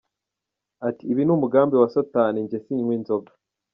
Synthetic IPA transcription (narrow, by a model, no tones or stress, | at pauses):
atiːβinumuɡaːmbiwasotaːniɲɟesiːɲwiːnzoɡa